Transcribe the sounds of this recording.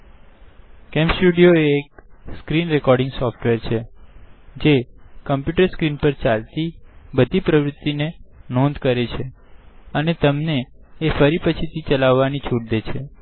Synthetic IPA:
kɛmpsʈuɽijoeːk̚skɾinɾekɔɾɖɪ̃ŋɡsɔfʈʋeɾt͡ʃʰe | d͡ʒekəmpjuʈəɾskɾinpəɾt͡ʃalt̪ibəd̪ʱipɾəʋɾʊt̪ːinenõnd̪kəɾet͡ʃʰe | ənet̪əmneːfəɾipət͡ʃʰit̪ʰit͡ʃəlaʋːanit͡ʃʰuʈ̚d̪et͡ʃʰe

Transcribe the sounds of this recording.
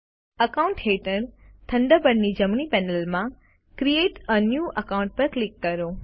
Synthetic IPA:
əkauɳʈɦeʈəɾt̪ʰəɳɖ̪əbəɽnid͡ʒəmɳipɛnəlmã | kɾieʈənjuʔəkaũɳʈ̚pəɾklikːəɾo

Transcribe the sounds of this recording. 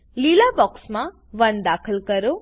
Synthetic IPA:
lilabɔksma | ʋɐnd̪aːkʰəlkəɾu

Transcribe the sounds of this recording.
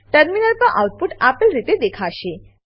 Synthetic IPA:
ʈəɾminəlpəʔa̰uʈ̚puʈapəlɾit̪ed̪ekʰaʃe

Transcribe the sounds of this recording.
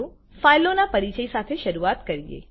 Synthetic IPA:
ũ | failonapəɾit͡ʃəisat̪ʰeʃəɾuat̪kəɾijḛ

